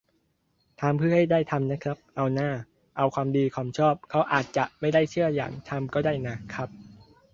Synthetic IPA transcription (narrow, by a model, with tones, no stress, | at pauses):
t̪ʰaː˧mpʰɯ˥˩ha˥˩jdaː˥˩jt̪ʰa˧mna˦˥kʰɾa˦˥p̚ʔa˧wnaː˥˩ | ʔa˧wkʰwaː˧mdiː˧kʰwaː˧mt͡ɕʰɔː˥˩p̚kʰa˦˥wʔaː˨˩t̪̚t͡ɕa˨˩ʔma˥˩jdaː˥˩jt͡ɕʰɯ˥˩ɐja̰ː˨˩ŋt̪ʰa˧mkɔː˥˩daː˥˩jna˦˥kʰɾa˦˥p̚